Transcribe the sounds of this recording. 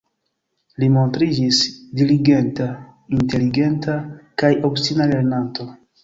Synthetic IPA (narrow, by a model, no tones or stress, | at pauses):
limo̞ntɾid͡ʒisdiliɡe̞ntainte̞liɡe̞ntʰakajʔo̞pstinale̞ɾnanto̞